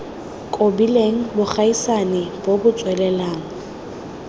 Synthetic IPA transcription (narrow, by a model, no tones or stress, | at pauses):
kʼobileŋ̩bʊχʰaisanɪb̥obʊt͡sʼwɛlɛlaːŋ̩